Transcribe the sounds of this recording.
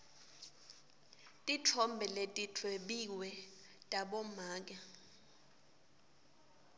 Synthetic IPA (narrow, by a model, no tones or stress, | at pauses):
tʼitʰɔmbʱɛletʼitʰwɛɓiwɛ | tʼaɓɔmaːk̬ʼa